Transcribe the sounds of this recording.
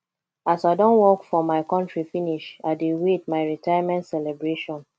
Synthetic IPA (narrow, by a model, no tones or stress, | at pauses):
asaɪdɔ̃nwɔkfɹɔmaɪkɔ̃ntɹifiniʃaɪdiɹitmaɪɹitajmɛ̃ntsɛlɛbɹeʃɔ̃n